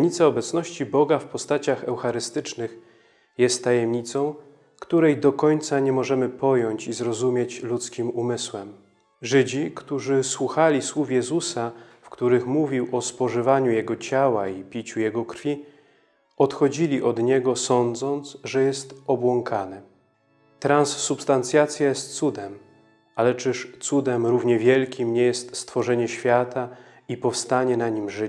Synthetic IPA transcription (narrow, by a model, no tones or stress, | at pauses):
it̪saɔbɛt̪snɔɕt͡ɕibɔɡafpɔst̪at͡ɕaxɛwxaɾɘst̪ɘt͡ʂnɘx | jɛst̪ːajɛmɲit̪sɔ̃w̃ | kt̪uɾɛjd̪ɔkɔɲt̪saɲɛmɔʐɛmɘpɔjɔɲt͡ɕizɾɔzumʲjet͡ɕlut̪skʲimumɘswɛm | ʐɘd͡ʑikt̪uʐɘswuxalʲiswufjɛzusafkt̪uɾɘxmuvʲiwɔspɔʐɘvaɲujɛɡɔt͡ɕawaipʲit͡ɕujɛɡɔkɾfʲi | ɔt̪xɔd͡ʑilʲiʔɔd̪ɲɛɡɔsɔnd̪zɔnt̪sʐɛjɛst̪ɔbwɔŋkʰanɘ | t̪ɾãnsːupst̪ant̪sʲjat̪sʲjajɛst̪̚sud̪ɛm | alɛt͡ʂɘʂt̪sud̪ɛmɾuvɲɛvʲjɛlkʲimɲɛjɛst̪st̪fɔʐɛɲɛɕfʲjat̪a | ipɔfst̪aɲɛnaɲimʐɘ